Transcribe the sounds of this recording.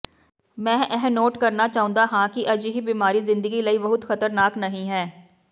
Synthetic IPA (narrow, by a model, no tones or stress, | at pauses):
mɛ̃ːʔɛɦnoːʈkəɾnaːt͡ʃaːʊ̃nd̪aːɦãːkɪʔəd͡ʒɦiːbiːmaːɾiːzɪ̃nd̪əɡiːləiːbəɦʊt̪xət̪əɾnaːknəɦĩːɦɛː